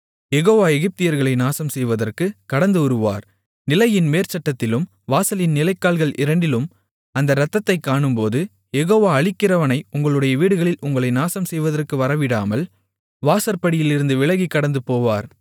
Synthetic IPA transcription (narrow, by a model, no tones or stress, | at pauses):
jɛɣoːʋaːɛɣɪp̚t̪ɪjɐɾɣɐɭɐɪnaːsɐmsɛjʋɐðɐrkɯkɐɽɐnd̪ɯʊɾɯʋa̰ːɾ | nɪlɐjɪnmeːɾt͡ʃɐʈːɐt̪ːɪlɯm | ʋaːsɐlɪnnɪlɐɪkːaːlɣɐɭʔɪɾɐɳɖɪlɯm | ɐnd̪ɐɾɐt̪ːɐt̪ːɐɪkːaːɳɯmpoːðɯ | jɛɣoːʋaːɐɭɪkːɪɾɐʋɐnɐɪʊŋɡɐɭɯɽɐjɐʋiːɽɯɣɐɭɪlʊŋɡɐɭɐɪnaːsɐmsɛjʋɐðɐrkɯʋɐɾɐʋɪɽaːmɐl | ʋaːsɐɾpɐɽɪjɪlɪɾɯnd̪ɯʋɪɭɐɣikːɐɽɐnd̪ɯpoːʋaːɾ